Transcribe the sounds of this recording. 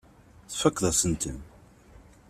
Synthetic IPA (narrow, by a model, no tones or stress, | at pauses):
θfəkːðəsənt̪ə̰n